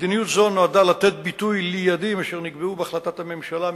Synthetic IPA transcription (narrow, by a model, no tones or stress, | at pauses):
d̪inijut̪zo̞nːo̞ad̪alat̪e̞t̪̚bit̪ujlijad̪imaʃeʁniɡbeubeaχlat̪at̪hame̞mʃala